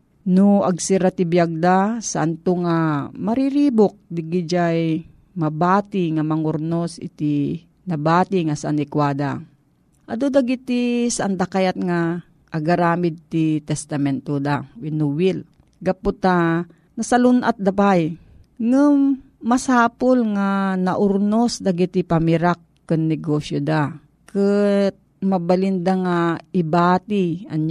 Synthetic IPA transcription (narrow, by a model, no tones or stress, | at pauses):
noʔɐɡsiɾat̪ibjaɡ̚d̪asa̰ʔɐnt̪oŋamɐɾiɾiːbok̚d̪ɪɡid͡ʒaj | mɐbaːt̪iŋamɐŋʊɾnosɪ̰t̪i | nɐbaːt̪iŋasɐanɪkwaːd̪a̰ | ʔɐd̪od̪aɡɪt̪isaʔand̪akajat̪̚ŋa | ʔːɡaɾaːmɪd̪̚t̪it̪ɛst̪ɐmɛnt̪od̪awɪnuwɪl | ɡɐpʊt̪a | nɐsalunʔat̪̚d̪abaj | ŋam | mɐsaːpolŋanɐʔʊɾnosd̪aɡɪt̪ɪpamɪɾakːɨnnɛɡosjod̪a | kɨt̪̚mɐbalind̪aŋaɪbaːt̪iɐ̰ɲ